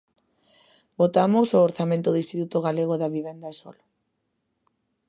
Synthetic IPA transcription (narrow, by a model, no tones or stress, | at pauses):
bot̪amosoːɾθamẽnt̪oðist̪it̪ut̪oɣaleɣ̞oðaβiβ̞end̪aeso̰lo